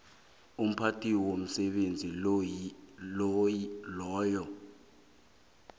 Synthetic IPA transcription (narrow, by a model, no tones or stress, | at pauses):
um̩pʰatʰiwom̩sɛɓend͡zʱi | lɔːjɔ